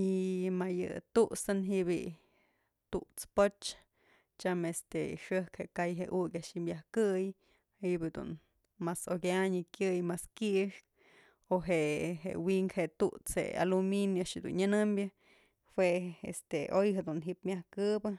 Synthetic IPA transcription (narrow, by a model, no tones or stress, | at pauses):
imajɨ̰t̪uʔsɨnɦiʔbḭ | t̪uʔt͡spot͡ʃ | t͡ʃamest̪eiʂɨhkheʔkajɦeʔukʲaʔʃimjahkɨj | hiʔbid̪ṵn | masokʲaɲɨkʲjɨjmaskiʔʂk̚ | oɦeʔɦḛʔwiŋkheʔt̪uʔt͡shḛa̰luminjaʔaʂhed̪ṵnɲanɨmbʲjɨ | hweḛst̪eʔojɦed̪unɦiʔpmjahkɨbɨ